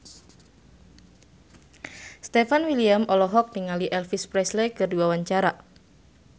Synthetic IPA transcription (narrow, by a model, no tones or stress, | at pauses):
st̪ɛfanwiliamɔlɔɦɔk̚niŋaliʔɛlfispɾɛslekərdiwawaɲt͡ʃaɾa